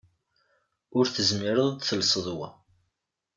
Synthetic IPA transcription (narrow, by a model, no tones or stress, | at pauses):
ʊɾθəzmiɾəðˤθəlsˤəðˤwæ̰